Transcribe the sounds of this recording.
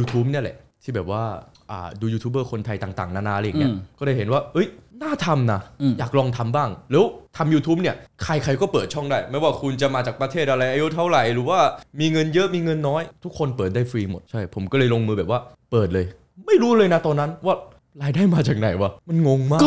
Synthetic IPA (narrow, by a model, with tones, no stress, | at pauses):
juː˧t̪ʰuː˦˥p̚ni˥˩ɐlɛ̰˨˩ʔt̪ʰiː˥˩bɛː˨˩p̚waː˥˩ʔa̰ː˨˩duː˧juː˧t̪ʰuː˦bɤː˥˩kʰo˧nt̪ʰa˧jt̪aː˨˩ŋt̪a̰ː˨˩ŋnaː˧˥˩na˦˥laː˧ja˨ŋŋi˦˥˩kɔː˥˩daː˥˩jɦe˩˦nwaː˥˩ʔɤ˦˥jnaː˥˩t̪ʰa˧mna˧˥jaː˨˩k̚lɔː˧ŋt̪ʰa˧mbaː˥˩ŋlɛː˦˥wt̪ʰa˧mjuː˧t̪ʰu˦˥p̚ni˥˩ɐkʰa˧jkʰa˧jkɔː˥˩pɤː˨˩t̪̚t͡ɕʰɔ˥˩ŋdaː˥˩jma˥˩jwaː˥˩kʰu˧nt͡ɕa˨˩maː˧t͡ɕaː˨˩kpɾa˧t̪ʰeː˥˩ʔa˧ɾa˧jʔaː˧ju˦˥t̪ʰa˦˥˩wɾa˨˩jɾɯː˩˦waː˥˩miː˧ŋɤ˧njɤ˦˥ʔmiː˧ŋɤ˧nːɔː˦˥jt̪ʰu˦˥kʰːo˧npɤː˨˩t̪̚daː˥˩jfɾiː˧mo˨˩t̪̚t͡ɕʰa˥˩jpʰo˩˦mkɔː˥˩lɤː˧jlo˧ŋmɯː˧bɛː˨˩waː˥˩pɤː˨˩t̪̚lɤː˧j | ma˥˩jɾuː˦˥lɤː˧jna˦˥t̪ɔː˧nːa˦˥nwaː˥˩ | ɾaː˧jdaː˥˩jmaː˧t͡ɕaː˨˩k̚na˨˩jwa˧˩ma˧nŋo˧ŋmaː˥˩